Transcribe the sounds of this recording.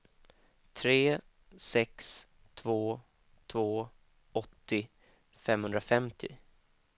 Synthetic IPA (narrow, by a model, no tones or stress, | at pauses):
t̪ʰɾeː | sɛks | t̪ʰvoː | t̪ʰvoː | ɔt̪ːɪ | fɛmhɵnd̪ɾafɛmt̪ʰɪ̰